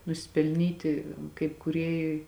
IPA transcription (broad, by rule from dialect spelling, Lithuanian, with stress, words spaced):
nʊsʲɪpʲɛlʲˈnʲiːtʲɪ kɐɪp kuːˈrʲeːjʊɪ